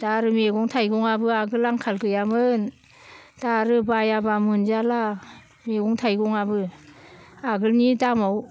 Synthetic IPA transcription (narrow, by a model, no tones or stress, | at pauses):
d̥aɾɯmeɡɔŋtʰajɡɔŋabɯaɡɯlaŋkʰalkɯjamɯn | daɾɯbajabamɯnzala | meɡɔŋtʰajɡɔŋabɯ | aɡɯlnidamaw